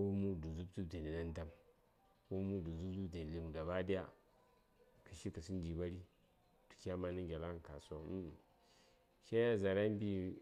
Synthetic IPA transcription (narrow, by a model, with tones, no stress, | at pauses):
ko˦mu˦˨du˨zu˦btu˦bdi˨ni˨na˦n˦da˦m | ko˦mu˦du˨zu˦bdu˦bdi˨n˨li˨m˨ɡa˨ba˦di˦ja̰˦ | kə˨ʃi˦kə˨si˦n˦d͡ʒi˨ba˦ɾi˦ | tu̥˨kʲa˦ma˦ni˦ɡʲa˨la˦ŋ˨ka˨so˦u˦˨ | ʃa˦ja˦za˨ɾa˦m˦bi˦